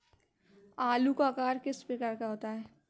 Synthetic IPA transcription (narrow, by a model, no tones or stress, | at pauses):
aːlukakaːɾkɪspekɐɾkaɦoːt̪aɦɛː